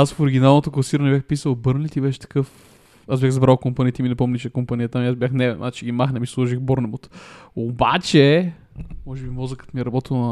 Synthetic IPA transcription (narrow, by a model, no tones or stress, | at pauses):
asfoɾiɡʲinalˠnot̪oklˠɐsiɾɐnɛbjaxpisəlˠbɤɾnlit̪ibɛʃɛ̥t̪ɐ̥kɤf | asbjaxzbɾalˠkompanijət̪iminɛpɔmnʲit͡ʃɛkompanijət̪amiazbʲjaxnɛvɛnmʔa̰t͡ʃɛɡimaxnɛmislˠɔʒixbɔɾnɛmot̪obat͡ʃɛ | mɔʒɛbimɔzəkə̥t̪miɛɾɐbɔt̪ilˠnɐ